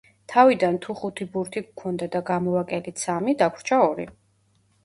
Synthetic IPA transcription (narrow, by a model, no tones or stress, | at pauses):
t̪ʰavid̪ant̪ʰuχut̪ʰibuɾt̪ʰikkʰɔnd̪ad̪aɡamɔakʼɛlisamid̪akʷʰɾt͡ʃʰʼaɔɾḭ